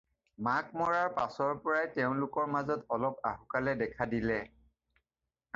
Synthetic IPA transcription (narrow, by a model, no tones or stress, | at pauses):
makmɔɹaɹpasɔɹpɔɹajtɛʊ̃lʊkɔɹmazɔtɔlɔpaɦukalɛdɛkʰadilɛ